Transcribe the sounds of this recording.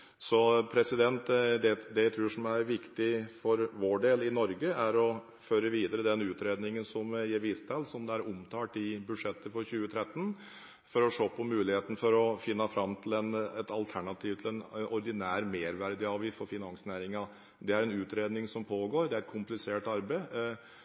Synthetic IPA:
sɔpʰɾɛsɪd̪ɛnt̪d̪ɛd̪ɛɪt̪ʰɾuːʂɔmæɾʋɪkt̪ɪfɔɾʋoːɖeːlɪnɔɾɡəæɾɔ | føːɾəʋiːd̪əɾəd̪ɛnʉːt̪ɾeːd̪nɪŋənsɔmjeːɾʋiːst̪ʰɛlsɔmd̪ɛæɾʊmt̪ʰɑːʈɪbʉʂɛt̪ːəfɔɾçʉːət̪ʰɾɛt̪ːən | fɔɾɔʂoːpʰɔmʉːlɪheːt̪ənəfɔɾɔfɪnːɑfɾɑmːt̪ʰlɛnɛt̪ɑlt̪ʰæɳɑt̪ʰiːʋt̪ʰlɛnɔɾd̪ɪnæːɾmeːɾʋæɾd̪ɪɑːʋɪfɔɾfɪnɑŋsnæːɾɪŋɑ | d̪ɛæɾɛnʉːt̪ɾeːd̪nɪŋsɔmpʰoːɡoːɾd̪ɛæɾɛt̪̚kʰʊmplɪseːʈɑɾbəɪ

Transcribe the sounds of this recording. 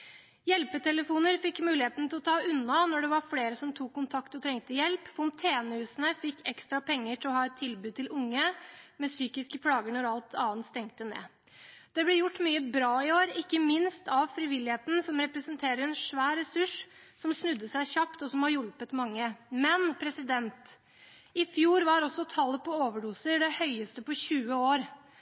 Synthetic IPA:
jɛlpət̪ʰɛləfuːnəɾfɪkːmʉːlɪheːt̪nət̪ʰɪlɔt̪ʰɑːʉnːɑnɔɖɛʋɑɾfleːɾəsɔmt̪ʰuːkʰːʊnt̪ʰɑkt̪ɔt̪ʰɾɛŋt̪əjɛlpfɔnt̪ʰeːnəʉːsnəfɪkːɛkst̪ɾɑpʰɛŋːəʈʰɪlɔhɑːɛt̪ʰːɪlbʉːt̪ɪlʊŋːəmɛsyːkɪskəpʰlɑːɡəɳɔɾɑlt̪ʰɑːənt̪st̪ɛŋt̪ənḛː | d̪̥ɛblɛjʊʈːmyːəbɾɑːɪoːɾɪkːəmɪnst̪ʰɑʋfɾɪʋɪlːɪheːt̪n̩sɔmɾɛpɾəsənt̪ʰeːɾəɾɛnʂʋæːɾɾɛsʉʂsɔmsnʉd̪ːəsæɪçɑpt̪ɔsɔmhɑɾjʊlpət̪mɑŋːəmɛnpʰɾɛsɪd̪ɛnt̪ | ɪfjuːɾʋɑɾɔsːɔt̪ʰɑlːəpʰɔoːʋəɖuːsəɖɛhœʏəst̪əpɔɕʉːəoːɾ

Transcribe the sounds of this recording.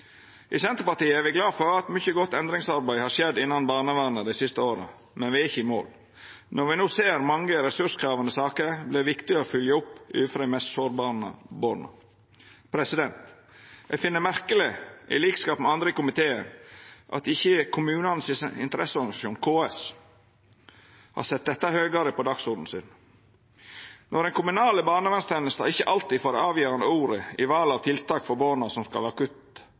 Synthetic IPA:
ʔɪsɛnt̪ɾəpɑt̪iːəɛɾʋɪɡlɑːfɔɾɑt̪mʏçəɡɔt̪ːɛnd̪ɾɪŋsɑɾbæɪhɑːɾʂɛd̪ɪnːɑnbɑːɾnəʋæːnəd̪æɪsɪst̪əoːɾə̰ | mɛnʋɪɪçːəmo̰ːl | nɔɾʋɪnuːseːɾmɑŋːəɾɛsʉʂkʰɾɑːʋənəsɑːkəɾblɪʋɪkt̪ɪəɔfʏljəʊpːʉ̰ːfɾɑd̪ɛɪmɛst̪soːɾbɑːɾnə̰boɾnə̰ | pʰɾɛsɪd̪ɛnt̪ | ɛfɪnːəmæɾkəlɪʔɪ̰liːkskɑːpmɛɑnd̪ɾəkʊmɪt̪ʰeːənʔɑ̰t̪ɪçːəkʰʊmʉːnənsɪnt̪əɾʔɛsːəɔɾɡnɪsɑʃuːnkʰoːɛs | hɑ̰ɾsɛt̪̚d̪ɛt̪ːɑhøːɡɑɾəpɔd̪ɑksʊɾd̪n̩sɪ̰n | nʔɔɾɛnkʰʊmʉnɑːləbɑːɳəʋɛnst̪ʰɛnːəst̪ɑ̰ɪçːəʔɑlt̪iːd̪foːɾəɑːʋjøːɾɑnd̪əuːɾəɪʋɑːlɑʋt̪ʰɪlt̪ʰɑːkfɔɾboːnɑsɔmskɑ̰lɑkʉt̪

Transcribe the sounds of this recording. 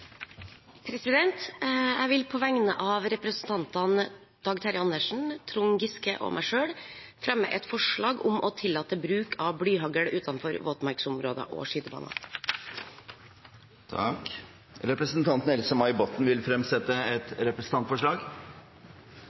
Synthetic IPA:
pʰɾɛsɪd̪ɛnt̪jæɪʋɪlpʰɔʋæŋnəʔɑːʋɾɛpɾəsn̩t̪ʰɑnt̪ɑn | d̪̥ɑɡt̪ʰɑɾɪɑnd̪əʂn̩t̪ʰɾʊŋɡɪskəʔo̰mʔæɪʂøːɽ | fɾɛmːə̰ʔɛt̪fɔʂɭɑːɡʊmʔɔt̪ʰɪlːɑːt̪əbɾʉːkʰɑʋbɽyːɦɑɡəɽʉːt̪ɑnfɔɾʋoːt̪mɑɾksʊmɾoːd̪ə̰ʔɔ̰ːʂiːt̪əbɑ̰ːnɑ̰ | t̪ʰɑk | ɾɛpɾəsn̩t̪ʰɑnt̪n̩ɛlsəmɑɪbɔt̪n̩ʋɪlfɾɛmsɛt̪ːəɛt̪ɾɛpɾəsn̩ʰɑnt̪fɔʂɭɑːɡ

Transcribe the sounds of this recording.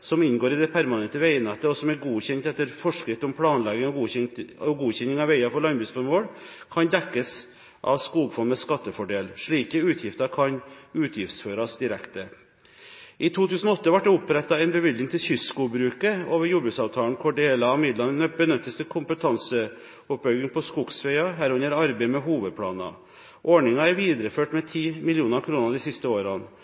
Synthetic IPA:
sɔmɪnɡoːɾɪd̪ɛpʰæɾmɑnɛnt̪əʋeɪənɛt̪ːəɔsɔmæɾɡuːçɛnt̪ɛt̪ːəɾfɔʂkɾɪft̪əɔmpʰlɑːnlɛɡəɔɡuɔɡuːçɛnːɪŋɑʋæɪɑfɔɾɭɑnbʉːsfɔɾmoːɽkʰɑnd̪ɛkːəs | ʔɑ̰ʋskuːɡfɔnmɛskɑt̪ːəfɔɖeːlʂɭiːkəʉːt̪ʰjɪft̪ɑɾkʰɑnʉːt̪ʰjɪft̪sføːɾɑsd̪ɪɾɛkt̪ə | ʔit̪ʰuːt̪ʰʉːsn̩ɔɔt̪ːəʋɑʈ̚d̪ɛʊpɾɛt̪ːɑɛɪnbəʋɪd̪nɪŋt̪ʰɪsʏskʊbɾʉːkəoːʋəɾjʊbʉsɑːʋt̪ʰɑːln̩kʰɔɖeːlɑɑʋmɪd̪lɑnənəbənœt̪ːəsd̪ɛkʰʊmpət̪ʰɑnsə | ɔpːbœʏɡɪŋpʰɔskuɡsfɛɪɑɦæːɾʉnəɾɑɾbeɪmɛɦuːʋəd̪̚pʰlɑ̰ːnɑ̰ | ʔɔɳɪŋɑæɾʋiːd̪ɾəføːʈmɛt̪ʰiːmɪljuːnɑɾkʰɾuːnɑd̪iːsɪst̪əoːɾɑn

